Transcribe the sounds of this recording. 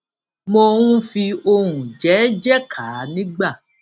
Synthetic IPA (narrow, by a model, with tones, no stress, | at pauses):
mo˧ɾũ˦fi˧o˧ɾũ˨d͡ʒɛ˨˦d͡ʒɛ˦kʰaː˨˦nĩ˦ɡ͡ba˦˨